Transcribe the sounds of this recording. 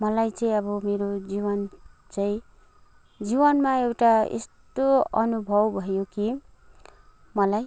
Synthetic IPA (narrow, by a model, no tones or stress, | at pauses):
mʌlajt͡sʌĩʌbʌmeɾod͡ziβʌnt͡sʌĩ | d͡zibʌnmaewʈaḛst̪oʌnubʱʌbbʱʌjoki | mʌlaj